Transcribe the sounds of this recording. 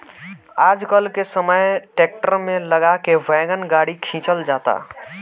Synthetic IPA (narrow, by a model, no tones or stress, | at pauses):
ad͡ʒkəlkesəməjʈek̚ʈəɾmeləɡakeʋɛɡənɡaɽikʰĩt͡ʃəld͡ʒat̪a̰